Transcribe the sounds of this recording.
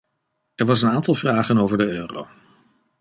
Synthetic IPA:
ɛɹʋɑs̬ənaːntɑlˠvraːχənowvəɹdəøːro̰w

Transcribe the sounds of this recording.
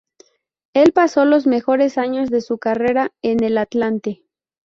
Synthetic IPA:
e̞lpaso̞lo̞zme̞xo̞ɾe̞saɲo̞zðe̞sukare̞ɾae̞ne̞lat̪lant̪e

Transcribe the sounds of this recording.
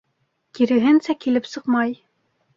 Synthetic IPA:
kʲʰiɾɘ̆ɦɘnsækʲʰilɘpsɤqmɑj

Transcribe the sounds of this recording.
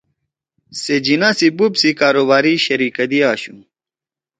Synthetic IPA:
sed͡ʑinãsibubsikaːɾoβaːɾiɕɐɾiːkɐd̪iaːɕũ

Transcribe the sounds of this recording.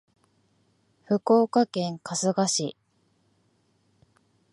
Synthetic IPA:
ɸɯ̟ko̞ːkakẽ̞ŋkasɨɡaɕi

